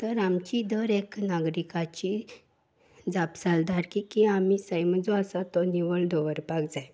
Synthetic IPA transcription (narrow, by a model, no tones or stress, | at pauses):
t̪əɾamt͡ɕid̪əɾeknaɡɾikat͡ɕi | d͡zapsald̪ʱaɾkikiamisəjməd͡zɔasat̪ɔniʋəɭd̪ʱɔʋəɾpakd͡zaj